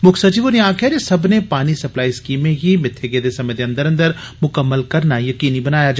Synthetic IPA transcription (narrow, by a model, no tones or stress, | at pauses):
mʊkʰsɐt͡ʃiːʋɔːɾjɐɦãkʰɛːɾesɐbnepaːnisɐplaːiskiːmẽɦimɪt̪ʰːeɡed̪esɐmẽd̪eɐ̃nd̪əɾɐ̃nd̪əɾmʊkəmːəlkɐɾnajɐkiːnibɐnaːjad͡ʒ